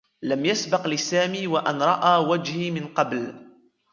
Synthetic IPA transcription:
lamjasbɑqlɪsaːmiːwaʔanɾˤɑʔaːwad͡ʒhimɪnqɑbl

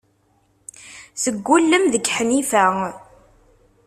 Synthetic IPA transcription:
səɡːulːəmðəɡħnifæ

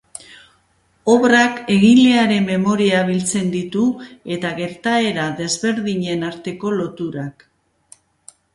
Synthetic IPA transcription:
o̞βrake̞ɣileaɾe̞mːe̞mo̞ɾiaβilt͡se̞nd̪it̪ue̞t̪aɣe̞ɾt̪ae̞ɾaðe̞zβe̞ɾðiɲe̞naɾt̪e̞ko̞lo̞t̪uɾak

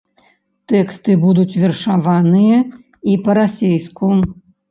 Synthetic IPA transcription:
t̪ɛkst̪ɨbud̪ut͡sʲvʲɛrʂavanɨjɐ | ipɐɾasʲejsku

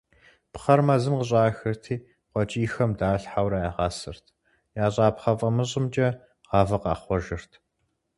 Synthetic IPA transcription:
pχɐrmɐzɨmqəɕ̬ʼaːxɨrtʰiː | qʷɔt͡ʃʼiːxɐmdaːɬħawɾajaːʁɑːsɨrtʰ | jaːɕʼɑːpχɐfʼɐmɨɕ̬ʼɪmt͡ʃʼɐ | ʁ̥ɑːvɐqɑ̰ːχʷɔʒɪrtʰ

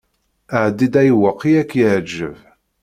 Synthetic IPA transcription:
əʕd̪ːid̪æjwəqːiækːjəʕd͡ʒːəv

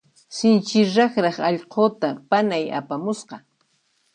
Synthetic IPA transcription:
sɪnt͡ʃɪɾɑχɾɑχɑʎqoːt̪apanaja̰pamʊsqɑ

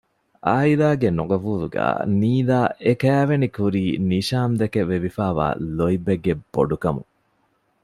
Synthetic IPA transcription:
aːilaːɡenoɡɐbuːɾuɡæ̰ːniːd̪aːʔekæːʋenikuɾiːniʃaːmd̪ekeʋeʋifaːʋa̰ːloibeɡːeb̥ːo̰ɖukɐmṵ

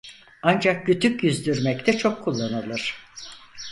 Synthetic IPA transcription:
and͡ʒak̚ɟyt̪ʰycjyzd̪yɾmɛct̪ʰɛt͡ʃʰo̞kʰːulˠːanɯlˠɯɾ̥

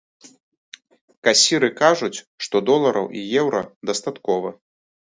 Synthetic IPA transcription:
kasʲiɾɨkaʐut͡sʲ | ʂt̪ɔd̪ɔlˠɐɾɐ̰wʔijɛwɾɐd̪ɐst̪at̪kɔvɐ

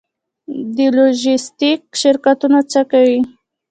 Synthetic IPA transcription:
d̪ɪloʒɪst̪ɪk̚ʃɪɾkat̪ʊnat͡sakawi

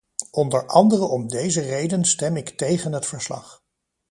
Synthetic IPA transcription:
ɔndəɹʔɑndərəɔmdejzərejdənstɛmɪktejχənɦətfəɹslɑ̰χ

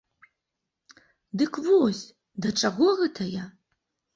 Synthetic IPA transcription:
d̪ɨkʰvosʲ | d̪ɐʈ͡ʂʼɐɣɔɣɛtʰɐja

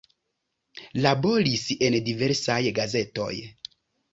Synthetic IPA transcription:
labo̞ɾise̞ndive̞ɾsajɡaze̞to̞̰j

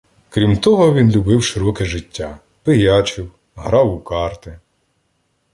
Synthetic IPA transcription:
kɾʲimt̪ɔɦɔʋʲinlʲubɪwʃɪɾɔkɛʒɪtʲːa | pɪjɑt͡ʃɪw | ɦɾɑwʊkɑrt̪ɪ

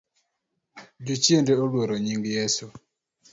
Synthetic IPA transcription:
d͡ʒut͡ʃjendeolwoɾoɲiŋɡjesu

